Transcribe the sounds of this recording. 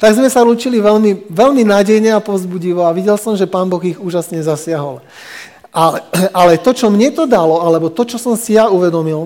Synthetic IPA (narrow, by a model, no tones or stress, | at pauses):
t̪aɡzmɛsaɾuːt͡ʃiliʋɛlmiʋɛlminaːɟɛjɲɛapɔzbuɟiʋɔaʋiɟɛlsɔmʒɛpaːnbɔɣiɣuːʒasɲɛzasɪaɦɔl | ʔalɛalɛt̪ɔt͡ʃɔmɲɛt̪ɔd̪alɔalɛbɔt̪ɔt͡ʃɔsɔmsijauʋɛd̪ɔmil